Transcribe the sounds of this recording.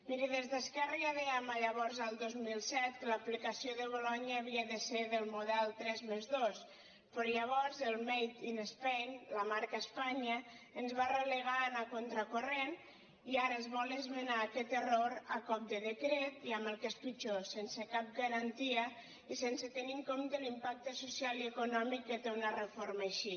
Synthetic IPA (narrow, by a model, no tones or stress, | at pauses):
miɾiðezðəskɛreaðeamaʎəβɔɾzalˠd̪ozmilˠsɛt̪̚kəlaplikasioðəβ̞olɔɲəːβiəðəseɾðəlˠmoðɛlˠt̪ɾɛzmezðos | pəɾɔʎəβ̞ɔɾzəlˠmejt̪inespejnlamaɾkaespaɲə | ənzβareleɣ̞anakont̪ɾəkoren | iaɾəːzβɔlezmenaːkɛt̪əroɾakɔp̚d̪əðəkɾet̪iambəlˠkespit͡ʃosensekap̚ɡaɾant̪iə | isensət̪eniŋkomt̪əlimpak̚t̪əsusjaliəkunɔmik̚d̪et̪eunərəfoɾmaʃi